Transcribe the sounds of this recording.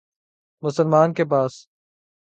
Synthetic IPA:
mʊsəlmaːnkep̬aːs

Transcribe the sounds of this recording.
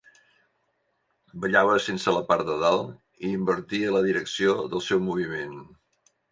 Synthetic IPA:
bəʎaβəsensələpaɾd̪əðalˠ | iːmbəɾt̪iələðiɾəksioðəlˠsɛwmuβ̞imen

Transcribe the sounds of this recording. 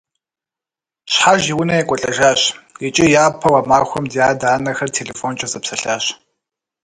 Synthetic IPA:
ɕħaʒiwʊnɐjɛkʷʼɔɬʼɐʒaːɕjet͡ʃʼɪjaːpʰɐwaːmaːxʷɔmdijaːdaːnɐxɐrtʰeːlefoːnt͡ʃʼɐzɐpsɐɬaːɕ

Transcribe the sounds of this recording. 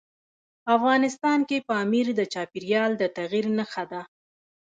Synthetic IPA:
afɣɑnɪst̪ɑnkepəamiɾd̪ət͡ʃɑpiɾijɑld̪ət̪aɣiɾnəxad̪a

